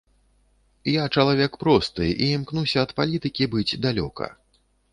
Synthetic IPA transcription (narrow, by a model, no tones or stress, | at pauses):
jat͡ʂɐlˠavʲɛkpɾɔst̪ɨ̰ʔiimknusʲɐːt̪palʲit̪ɨkʲibɨd͡zʲd̪alʲɔ̰kʰɐ̰